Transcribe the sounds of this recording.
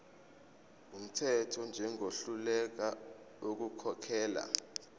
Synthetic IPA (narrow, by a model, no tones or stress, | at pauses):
um̩tʰɛtʰɔnd͡ʒʱɛŋʱoɬulɛk̬a | ok̬ukʰɔkʰɛːla̰